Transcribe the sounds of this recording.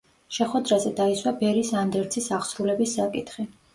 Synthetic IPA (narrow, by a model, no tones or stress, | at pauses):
ʃɛχwɛd̪ɾazɛd̪aiswabɛɾisand̪ɛɾt̪sʰisaχsɾulɛbisːakʼit̪ʰχi